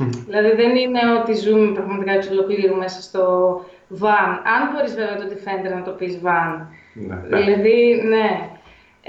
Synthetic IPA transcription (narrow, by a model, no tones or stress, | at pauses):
ðilɐðiðenine̞o̞t̪izumepɾɐɣmɐt̪ikɐsolokliɾume̞sɐst̪o | vɐnɐnboɾizve̞veɐt̪eo̞t̪ife̞net̪enɐt̪o̞pizvɐn | ðḭlɐðine̞